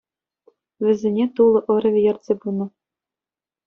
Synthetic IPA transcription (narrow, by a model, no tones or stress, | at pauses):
ʋʲɘ̆zʲĕnʲet̪ulˠɤ̆ʔɤ̆ɾʲɘ̆ʋʲĕjɘ̆rʲt̪ʲsʲebunɤ̆